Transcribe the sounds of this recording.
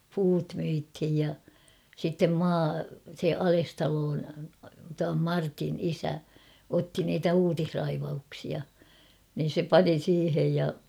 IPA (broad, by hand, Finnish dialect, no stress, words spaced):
puːt myithij jɑ sitːem mɑː se ɑlestɑloːn tuɑm mɑrtin isæ otːi niːtæ uːtihrɑiʋɑuksiɑ nin̞ se pɑni siːhej jɑ